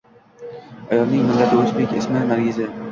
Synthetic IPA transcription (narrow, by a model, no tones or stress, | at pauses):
ɒjɒlˠnɪŋmɪlːat̪ʰɪɵzbekʲɪsmɪnaɾɡʲɪzɪ